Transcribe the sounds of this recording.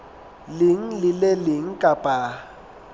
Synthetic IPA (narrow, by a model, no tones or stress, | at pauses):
lɪŋ̩lɪlelɪŋ̩kʼapʼa